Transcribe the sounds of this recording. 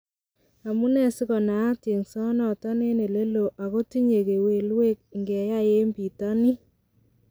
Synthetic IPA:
a˨mu˦nɛ˦˨si˦kɔ˨naː˨˦te˨ŋsɔ˦nɔ˨ta˦ne˦ne˨le˦lo˨ʔa˨ko˦ti˦ɲe˨ke˨we˨lwe˦k̚ŋɡɛ˨ja˦je˦mbi˨ta˦ni˦

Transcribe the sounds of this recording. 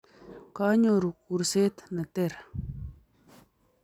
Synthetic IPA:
ka˦ɲo˨ɾu˨ku˨ɾse˦t̪nə˨t̪e˦˨ɾ

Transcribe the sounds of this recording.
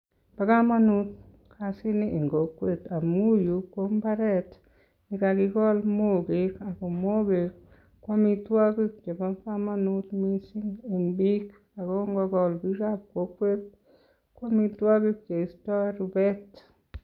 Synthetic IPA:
pa˨ka˦ma˦nu˦t̚ | kʰasi˦ni˦ʔi˨ŋɡo˨kwe˦ta˨mu˦ju˨ko˦mba˦ɾɛt | ni˨kaki˧ɡɔ˦lmo˦ɡe˦ka˨ko˨mo˦ɡe˨k | kwa˦mi˦twa˦ki˦k̚t͡ʃe˨ba˦ka˦ma˦nu˦tmi˦si˦ŋi˨mbi˦k | a˨kɔ˦ŋɡɔ˧ɡɔ˨lbi˦ɾap̚ko˨kwe˦t̚ | kwa˦mi˧twa˦ki˦k̚t͡ʃe˨i˨sta˦ɾubɛ˦t

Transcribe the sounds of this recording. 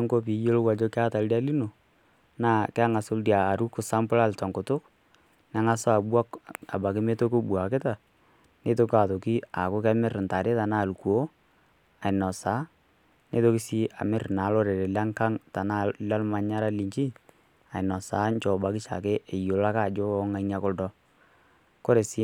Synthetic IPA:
ŋko˦pi˨˦jo˦lwa˨d͡ʒo˦ka˦ta˨lda˦li˦no˨ | naː˦˨kɛ˦a˦ŋa˨sʊ˦ldjaː˨ɾu˦kʊ˨sa˦mpʊ˦la˦lta˨ŋkʊ˨tʊ˦k | na˦ŋa˦sɔ˦a˨bwa˦ka̰˨ba˨kɪ˦me˦to˦ko˦bu˨a˨kɪ˦ta˨ | ne˦to˦ka˨to˨ki˦a˨kʊ˦kɛ˦mɪ˦ɾn˨ta˨ɾe˦ta˨naː˦˨lku˨o˦ | a˨ɪ˨nɔ˨saː˨˦ | ne˦to˦ki˦si˦a̰˨mɪ˦rnaː˨˦lo˦ɾe˨ɾe˨la˦ŋka˦ŋta˨na˦la˦lma˨ɲa˦ɾa˦li˨ɲt͡ʃi˦ | a˨ɪ˨nɔ˨saː˨˦ɲt͡ʃɔ˨ba˨kɪ˦t͡ʃa̰˨ke˦ʔe˨jo˨la˦ka˦˨d͡ʒo˦ɔ˦ŋa˨i˦na˦kʊ˦ldɔ˦ | ko˦ɾe˨si˦

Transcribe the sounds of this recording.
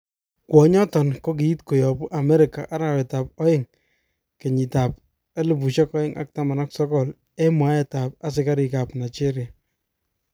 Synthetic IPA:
kwɔ˨ɲɔ˦tɔ˨nko˦k̬i˨i˦tko˨jɔ˨bu˦ʔa˨mɛ˦ɾɪ˨ka˨ʔa˦ɾa˨wɛ˨ta˨p̚ɔ˦jɪ˦ŋ | ke˨ɲi˨ta˨p̚ | ɛ˦lɪ˨pu˨ʃɔ˦kɔ˦ɪ˦ŋʔa̰˨k̚ta˦ma˨na˦ksɔ˦kɔ˨l | ɛ˦mwa˦ɛ˦˨ta˨p̚a˦s̬ɪ˦ka˦ɾi˨ka˨pna˨jt͡ʃe˦ɾja˨

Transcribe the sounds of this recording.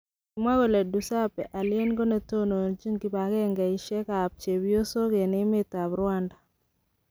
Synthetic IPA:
ki˨ma˦ɡo˨le˨du˨sa˦pɛ˨ʔa˨lɪ˦e˦nɡo˦ne˨˦to˦no˨d͡ʒi˦ŋki˨ba˨ɡɛ˦ŋɡɛ˨ɪ˨ʃɛ˦ka˨p̚t͡ʃe˨bjo˦so˦ɡe˨nɪ˦mɪ˦ta˨bɾwa˦nda˨

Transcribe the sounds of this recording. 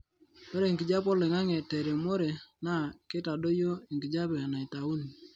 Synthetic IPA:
mɔ˦ɾe˨ŋkɪ˨d͡ʒa˦pɔ˦le˨ŋa˦ŋɛ˨tɛ˨ɾe˨mo˦ɾe˨na˦˨ke˦ta˨do˦jo˦i˨ŋɡi˨d͡ʒa˦bɛ˨a˨na˨i˨ta˨u˦ni˨

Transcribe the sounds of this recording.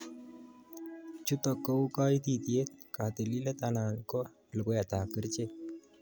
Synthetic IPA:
t͡ʃu˦t̪ɔ˨kːo˦u˦ka˦i˦t̪i˨t̪je˦t̪̚ka˨t̪e˨li˦lɛ˦t̪a˨na˨nkɔ˦ | lko˦ja˨t̪a˨ki˦ɾt͡ʃe˦

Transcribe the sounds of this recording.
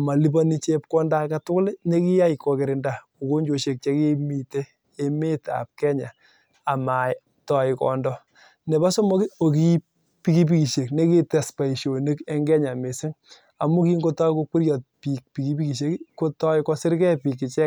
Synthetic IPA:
a˨ma˨li˦b̬ɔ˦ni˦t͡ʃe˦p̚kɔ˦nda˦ka˨tʊ˦kʊ˦lne˦kɪ˦ja˦i˨kɔ˨kɪ˨ɾɪ˨nda˨ | o˨ko˦ɲd͡ʒo˨ʃe˨k̚t͡ʃɛ˦kɪ˦mi˨te˦ | e˦me˦ta̰˨p̚kɛ˦ɲa˨ | a˨ma˨ | tɔ˨ɪ˨kɔ̰˨ndɔ | nɛ˨ba˦sɔ˦mɔ˦kɪ˦o˨ki˦ | pi˦ki˦p̬i˦ki˨ʃe˨kne˦ki˦tɛ˨spa˨i˨ʃo˨ni˦kɛ˦ŋɡɛ˦ɲa˨me˨sɪ˦ŋ | a˨mu˦ki˦ŋɡo˦tɔ˦jko˦kʷi˦ɾjɔ˨t̚pi˨k̚pi˨ki˦pi˦ki˨ʃ̬e˦kko˦tɔ˦ɪkɔ˦sɪ˦ɾkɛ˦pi˨kːɪ˨t͡ʃɛ˦

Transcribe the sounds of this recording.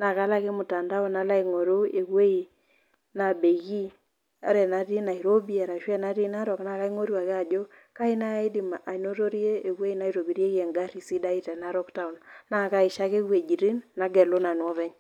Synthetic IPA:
na˨ka˦la˦ke˦mʊ˨ta˨nda˦o˦na˦la˦i˨ŋo˨ɾo˦e˨kwe˦i˨ | na˨be˨ɣi˦ | a̰˨˦ɾɛ˨na˦ɾi˦na˨i˨ɾo˦bi˦a˨ɾa˨ʃwɛ˦na˦ɾi˦na˦ɾɔ˨kna˨ka˦i˦ŋo˦ɾwa˨ke˦a˨d͡ʒo˦ka˦i˦na˦i˦di˨ma˨ʔa˨i˨no˦to˦ɾi˦e˦e˨ɣwe˦i˦na˨˦i˦ɾo˨bi˨ɾje˦kɛ˨ŋɡa˦ɾi˨si˦da˦i˦tɛ˨na˦ɾɔ˦kta˦u˨nna˦˨ka˦ɪ˨ʃa˦ke˦we˨d͡ʒi˨ɾi˦nːa˨˦ɡɛ˨lo˦na˨nwɔ˦βɛ˦ɲ

